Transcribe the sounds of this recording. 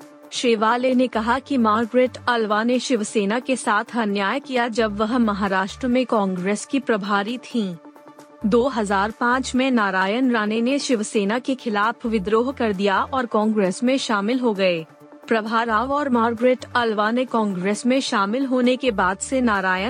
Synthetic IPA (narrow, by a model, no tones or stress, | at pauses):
ʃeːʋaːlenekɐɦakimaːɾɡɾeːʈɐlʋaneʃɪʋseːnakesaːt̪ʰɐnjaːjkijad͡ʒɐbʋɐɦmɐɦaːɾaːʃʈɾəmẽkɔ̃ːŋɡɾeːskipɾɐbʱaːɾit̪ʰĩː | d̪oːɦɐzaːɾpãːt͡ʃmẽnaːɾaːjənɾaːneneʃɪʋseːnakexʰɪlaːpʰʋɪd̪ɾoːɦkɐɾd̪ijaʔɔːɾkɔ̃ːŋɡɾeːsmẽʃaːmɪlɦoɡɐeː | pɾɐbʱaːɾaːʋɔːɾmaːɾɡɾeːʈɐlʋanekɔ̃ːŋɡɾeːsmẽʃaːmɪlɦoːnekebaːd̪senaːɾaːjə